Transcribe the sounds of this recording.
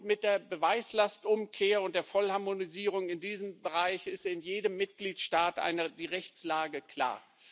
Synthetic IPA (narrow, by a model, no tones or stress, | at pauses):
mɪt̚d̥eːɐbəvaɪslastʔʊmkʰeːɐʊnt̚d̥eːɐfɔlhaɐmoniziːʁ̞ʊŋɪndiːzəmbəʁaɪçɪstɪnjeːdəmːɪt̚ɡ̥liːtʃtaːtʔa̰ɪnədiːʁɛçt͡slaːɡəkʰl̥a̰ːɐ